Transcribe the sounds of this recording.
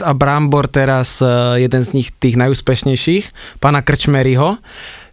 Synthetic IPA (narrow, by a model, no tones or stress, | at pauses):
abɾambɔɾt̪ɛɾasjɛd̪ɛnzɲixt̪iːɣnajuːspɛʃɲɛjʃiːxpaːnakr̩t͡ʃmɛɾiɦɔ